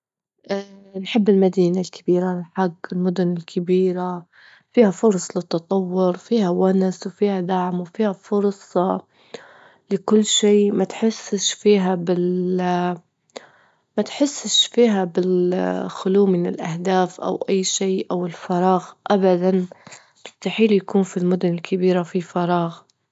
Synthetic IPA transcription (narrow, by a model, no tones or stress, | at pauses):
ʔanħɪbːɪlmad̪iːnalkʰab̥iːɾaɪlħaɡːɪlmʊd̪ʊnɪlkʰɪbiːɾa | fiːhafʊɾˤsˤlɪt̪ːɑt̪ˤɑwːʊɾfiːhawanswfiːhad̪aʕmwfiːhafʊɾˤsˤɑ | lɪkʊlːʃeːmat̪ħɪsːʃfiːɦabɪl | mat̪ħɪsːʃfiːɦabɪlxʊluːmɪnɪlʔahd̪aːfʔa̰wʔajːʃiːʔawɪlfɑɾˤɑːɣʔabad̪an | tɪ̥t̪ːaħiːljakuːnfilmʊd̪ʊnɪlkʰɪbiːɾafifɑɾˤɑːɣ